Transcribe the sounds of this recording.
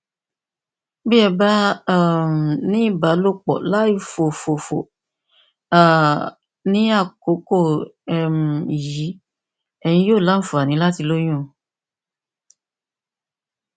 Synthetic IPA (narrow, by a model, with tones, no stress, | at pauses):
bi˦ɛ˧ba˦˨m˨nĩ˦i˦˨ba˨˦lo˦k͡pɔ̰˨la˦i˦˨fo˨fo˨fo̰˨ | a˨ | nĩ˨˦a˦˨ko˨˦ko˦˨ɛ˨m̩˨ji˨˦ | ɛ˨j̃ĩ˧joː˦˨la˨˦n̩˦fu˨a˨nĩ˨˦la˦ti˧lo˦j̃ũ˦˨